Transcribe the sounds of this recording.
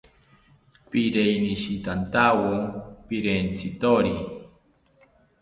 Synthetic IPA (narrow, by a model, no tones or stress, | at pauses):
piɾejniʃit̪ant̪awopiɾent͡sʰit̪oɾi